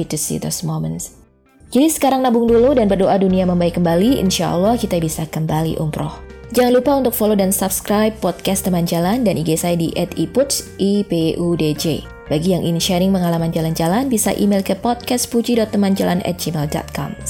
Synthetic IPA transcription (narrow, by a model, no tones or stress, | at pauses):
it̪usḭd̪ɛsmoməns | d͡ʒadisə̥kaɾaŋnabʊŋduludanbərdoʔaduniaməmbaikːəmbaliḭnʃa̰ʔə̰lːɔhkit̪abisakəmbalḭʔṵmpɾɔ̰hd͡ʒaŋanlupaunt̪ʊk̚folodansap̚skɾajbːɔd̪̚kɛst̪əmand͡ʒalandanʔiɡasajadiʔɛt̪iput̪sʔipeʔuded͡ʒe | b̥aɡijaŋʔinʃɛɾɪŋpəŋalamand͡ʒaland͡ʒalanbisa̰ʔimelkəpɔt̪̚kɛspud͡ʒidɔt̪ːəmand͡ʒalanʔɛ̰t̪̚d͡ʒimɛldɔ̰t̪̚kʰɔ̰m